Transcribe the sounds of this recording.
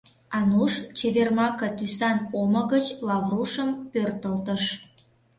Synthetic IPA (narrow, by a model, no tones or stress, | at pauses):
ɑnuʃt͡ɕeβermɑkət̪ysɑnoməɣət͡ɕlɑvruʃəmpørt̪əlt̪əʃ